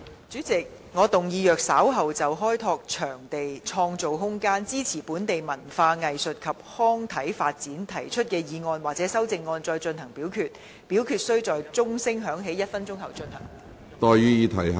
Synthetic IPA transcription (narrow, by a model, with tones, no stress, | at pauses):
t͡ʃyː˨˥t͡sɪ˨k̚ | ŋɔː˨˧t̪ʊ˨ŋjiː˨˧jœː˨k̚saː˨˥wɦɐ˨wt͡sɐ˨wɦɔː˥jt̪ʰɔː˧k̚t͡ʃʰœː˨˩ŋt̪e˨jt͡ʃʰɔː˧ŋt͡so˨wɦʊ˥ŋkaː˥nt͡siː˥t͡sʰiː˨˩puː˨˥nt̪e˨jmɐ˨˩nfaː˧ŋɐ˨jsɵ˨t̚kʰɐ˨p̚hɔː˥ŋt̪ʰɐ˨˥jfaː˧t̚t͡siː˨˥nt̪ʰɐ˨˩jt͡ʃʰɵ˥t̚kɛː˧jiː˨˧ŋɔː˧nwaː˨k̚t͡sɛː˨˥sɐ˥wt͡sɪ˨˧ŋːɔː˧nt͡sɔː˧jt͡ʃɵ˧nhɐ˨˩ŋpiː˨˥wkʰyː˧t̚ | piː˨˥wkʰyː˧t̚sɵ˥ɥt͡sɔː˨jt͡sʊ˥ŋsɪ˥ŋɦœː˨˥ŋɦe˨˥jɐ˥t̚fɐ˥nt͡sʊ˥ŋhɐ˨wt͡ʃɵ˧nhɐ̰˨˩ŋ | t̪ɔː˧jɥyː˥jiː˨˧t̪ʰɐ˨˩j